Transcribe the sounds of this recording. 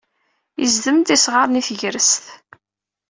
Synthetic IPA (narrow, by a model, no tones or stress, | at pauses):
jəzðəmt̪isʁɑɾˤniθəʝɾəsθ